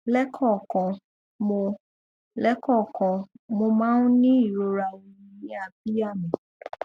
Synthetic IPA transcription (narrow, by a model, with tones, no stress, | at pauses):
lɛ˦kʰɔ˦˨kã˨ | mo˧ | lɛ˦kɔ˦˨kã˨ | mo˧mãː˦nũ˦nĩ˦i˦˨ɾo˨˦ɾa˨wĩ˧˨ĩ˨˦a˧bi˦ja˦˨mĩ˨